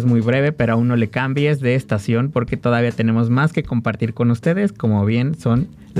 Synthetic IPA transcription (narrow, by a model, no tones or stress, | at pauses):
zmujβɾe̞βe̞pe̞ɾoaunːo̞le̞kambje̞zðe̞ːst̪asjo̞npo̞ɾke̞t̪o̞ð̞aβiat̪e̞ne̞mo̞zmaske̞ko̞mpaɾt̪iɾko̞nust̪e̞ðe̞sko̞mo̞βje̞nso̞n | l